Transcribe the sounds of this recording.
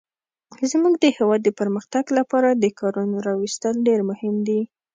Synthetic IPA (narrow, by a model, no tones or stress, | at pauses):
zmuɡd̪əhewɑd̪ːəpəɾməxt̪aɡlapɑɾad̪əkʰɑɾunoɾɑwist̪əlɖeɾmʊhɪmd̪i